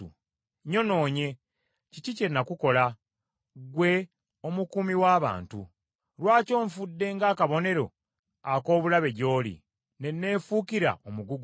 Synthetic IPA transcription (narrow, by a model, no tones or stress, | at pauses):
ṵ | ɲo̞no̞ːɲe̞ | cicice̞nːakuko̞la | ɡwe̞ | o̞mukumiwaːβa̰ːntṵ | lwaːco̞ːɱfudːe̞ŋɡaːkaβo̞ne̞ɾo̞̰ | ako̞ːβulaβe̞ɟo̞ːlḭ | ne̞nːe̞ːfuːkiɾa̰omuɡuɡ